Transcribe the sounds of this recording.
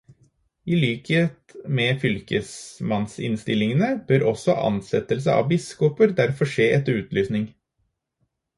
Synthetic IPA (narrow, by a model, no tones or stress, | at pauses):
iːlyːkeːt̪mɛːfʏlkəsmɑnsɪ̰nst̪ɪlɪŋənəb̥øːɾʔɔsɔ̰ʔɑ̰nsɛt̪əls̬əʔɑ̰ʋbɪskɔpəɾd̪æɾfɔʂeːɛt̪ːəɾʉːt̪lyːsnɪŋ